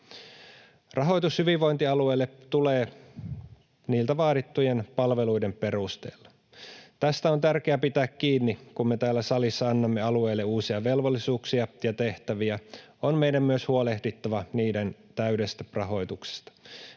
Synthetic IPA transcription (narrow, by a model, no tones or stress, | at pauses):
rʔɑɦo̞jt̪ushyʋiʋʋo̞jnt̪iɑlue̞ːlːet̪uleː | niːlt̪æʋɑːdit̪ːuje̞npɑlʋe̞lujde̞mpe̞rust̪ḛːlːɑ | t̪æst̪æo̞nt̪ærk̟eæpit̪æːkːiːnːikumme̞t̪æːlːæsɑlisːɑɑnːɑmːeɑlue̞ːlːeuːsiɑʋe̞lʋolːisuːksiɑjɑt̪e̞ht̪æʋiæ | onme̞jdæmmyøshuole̞hdit̪ːɑʋɑniːdent̪æɥde̞st̪ærɑɦo̞jt̪ukse̥st̪ɑ̥